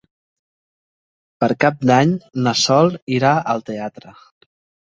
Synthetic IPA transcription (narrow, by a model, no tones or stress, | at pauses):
pəɾkap̚d̪aɲnəsɔlˠiɾaəlˠt̪eat̪ɾə